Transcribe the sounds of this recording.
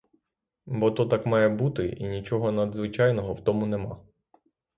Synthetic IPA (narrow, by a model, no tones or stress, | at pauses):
bɔt̪ɔt̪ɑkmɑjɛbut̪ɪḭnʲit͡ʃɔɦɔnɐd̪zʋɪt͡ʃɑjnɔɦɔwt̪ɔmʊnemɑ